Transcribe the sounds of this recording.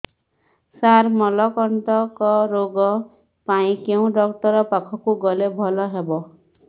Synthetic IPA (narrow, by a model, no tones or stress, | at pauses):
saɾmɔlɔkɔɳʈɔkɔɾoɡɔ | paĩkeũɖɔkʈɔɾɔpakʰɔkuɡɔlebʱɔlɔɦebɔ